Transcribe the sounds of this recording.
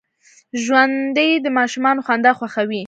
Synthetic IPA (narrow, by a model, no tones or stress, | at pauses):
ʒwand̪əjd̪əmɑʃumɑnoxwand̪ɑxwaxawi